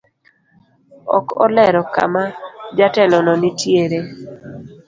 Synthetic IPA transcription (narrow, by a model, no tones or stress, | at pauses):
ɔ̰kɔ̰lɛɾɔka̰mad͡ʒatɛlɔnɔnɪtjeɾe